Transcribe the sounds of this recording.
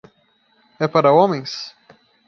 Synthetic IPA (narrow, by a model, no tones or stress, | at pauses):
ɛpaɾɐõmẽj̃s